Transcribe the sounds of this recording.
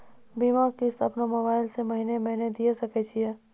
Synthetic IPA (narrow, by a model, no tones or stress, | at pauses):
biːmakist̪ʰɐpnamobaːɪlseməɦinemɛɦned̪ijesɐket͡ʃʰiɦe